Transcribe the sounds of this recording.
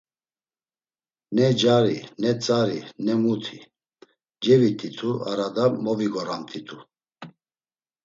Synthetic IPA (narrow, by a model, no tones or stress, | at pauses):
nɛd͡ʒaɾinɛt͡sʼaɾinɛmut̪ʰi | d͡ʒɛvit̪ʰʼit̪ʰua̰ɾad̪amɔviɡɔɾamt̪ʰit̪ʰu